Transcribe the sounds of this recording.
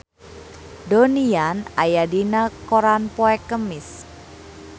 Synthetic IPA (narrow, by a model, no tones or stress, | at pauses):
donianajadinakoɾanpoɛkəmɪs